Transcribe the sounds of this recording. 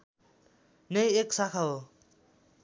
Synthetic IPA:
nejeksakʰao

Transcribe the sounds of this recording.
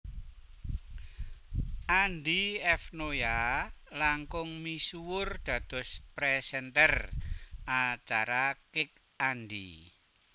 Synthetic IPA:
ʔand̪iɛfnojalaŋkʊŋmisuwʊrd̪̥ä̤d̪̥ɔ̤spɾɛsɛnt̪ɛr | at͡ʃaɾakɪk | andi

